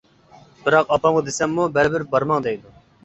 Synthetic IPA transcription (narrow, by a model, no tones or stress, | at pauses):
bɪɾɑqɑpɑmqəd̪esɛmːubɛɾbɪɾbɑɾmɑŋd̪ɛjd̪u